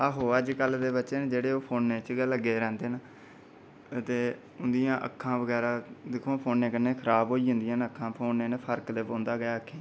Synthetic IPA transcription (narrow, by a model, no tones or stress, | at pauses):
əɦoːəd͡ʒkəlːd̪eːbətːʃeːnd͡ʒeːɽeːoːpʰoːnːeːt͡ʃɡləɡeːɾɛ̃ːnd̪eːn | t̪eː | ʊnd̪ɪjãːʔə̰kʰːãːʋəɡɛːɾaːd̪ɪkʰːõːpʰoːnːẽːkənːeːkʰəɾaːbɦoːiːɦʊ̃nd̪ɪjãːnəkʰːãːpʰoːnːeːnpʰəɾkleːpõːnd̪aːɡəjaːəkʰːeː